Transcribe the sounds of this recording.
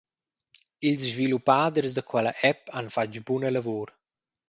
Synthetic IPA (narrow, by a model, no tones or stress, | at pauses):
ilsʒvilupaːd̪əɾzd̪əkʰwɛləʔɛpanfad͡ʒbunələvuɾ